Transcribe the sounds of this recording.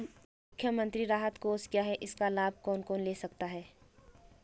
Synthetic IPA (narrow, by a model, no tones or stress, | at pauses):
mmʊkʰːjəmə̃nt̪ɾiɾaːɦət̪koːskjaːɦɛʔɪskalaːb̚ʱkɔːnkoːnleːsɐkt̪aɦɛː